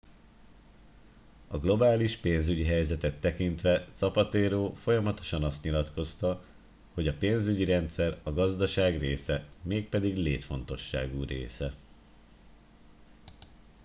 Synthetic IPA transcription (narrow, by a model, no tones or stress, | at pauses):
ɒɡlo̞baːliʃpeːnzyɟiɦɛjzɛt̪ɛt̪ːɛkint̪ʋɛt̪sɒpɒt̪eːɾoːfo̞jɒmɒt̪o̞̥ʃɒnɒst̪ɲilɒt̪ko̞st̪ɒ | ho̞ɟɒpeːnzyɟiɾɛnt̪sɛrɒɡɒzd̪ɒʃaːɡreːsɛmeːk̚pɛd̪iɡleːt̪fo̞nt̪o̞ʃːa̰ːɡurḛːsɛ